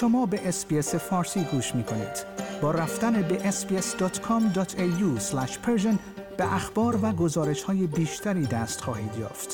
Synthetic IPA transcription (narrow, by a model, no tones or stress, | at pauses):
ʃo̞mɒːbe̞ʔesbiesefɒːɾsiːɡuːʃmiːkʰo̞nḭːd̪̥bɒːɾæft̪ænebeʔesbiesd̪ɒːt̪ʰkʰɔmd̪ɒːt̪ʰeuslæʃpʰeɾʒen | b̥eʔæxb̥ɒːɾvæɡo̞zɒːɾe̞ʃhɒːje̞biːʃt̪ʰæɾiːd̪æst̪xɒːhiːd̪jɒ̰ːft̪